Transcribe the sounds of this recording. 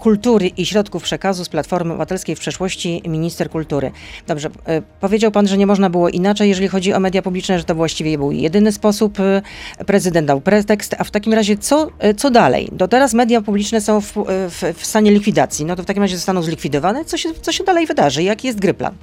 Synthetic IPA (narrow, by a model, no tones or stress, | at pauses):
kult̪uɾɘʔiɕɾɔt̪kufpʂɛkazusplat̪fɔɾmɘɔ̰vat̪ɛlskʲejfpʂɛʂwɔɕt͡ɕimʲiɲist̪ɛɾkult̪uɾɘ̰d̪ɔbʐɛpɔvʲjed͡ʑawpanʐɛɲɛmɔʐnabɘwɔʔinat͡ʂɛjːɛʐɛlʲixɔd͡ʑiɔ̰mɛd̪japublʲit͡ʂnɛʐɛt̪ɔvwaɕt͡ɕivʲɛbɘwjɛ̰d̪ɘnɘspɔsuppːɾɛzɘd̪ɛnd̪awpɾɛt̪ɛkst̪aft̪akʲimɾaʑɛt̪sɔt̪ɔd̪alɛ̰jd̪ɔt̪ɛɾasmɛd̪ʲjapublʲit͡ʂnɛsɔ̃w̃fffst̪aɲɛlʲikfʲid̪at̪sʲjinɔt̪ɔft̪akʲimɾaʑɛzɔst̪anɔ̃wzlʲikfʲid̪ɔvanɛt̪sɔɕɛt̪sɔɕɛd̪alɛjvɘd̪aʐɘjakʲijɛst̪̚ɡɾɘpla̰n